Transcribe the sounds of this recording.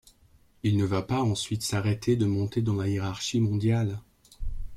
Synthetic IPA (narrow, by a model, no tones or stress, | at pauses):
ilnəvapaɑ̃sɥit̪saʁet̪ʰed̪əmɔ̃t̪ed̪ɑ̃lajeʁaʁʃimɔ̃d̪jal